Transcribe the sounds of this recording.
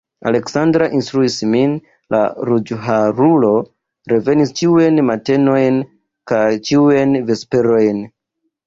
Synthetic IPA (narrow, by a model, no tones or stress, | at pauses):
a̰le̞ksandɾaʔinstɾuismin | lʔa̰ɾud͡ʒɦaɾulo̞ | ɾe̞ve̞nist͡ʃiuajnmate̞no̞jn | kajt͡ʃiuajnve̞spe̞ɾo̞jn